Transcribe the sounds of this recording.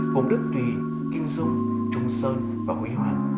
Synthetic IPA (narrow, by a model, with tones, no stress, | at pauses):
kʊ˨˧˩ŋ͡mɗɨ˦˥k̚t̪i˨˩ | ki˧əwzɨ˧˩əŋ | t͡ɕʊ˧ŋ͡msəː˧n | vaː˨˩kwḭ˨˦hwa̰ː˨˧˨ʔ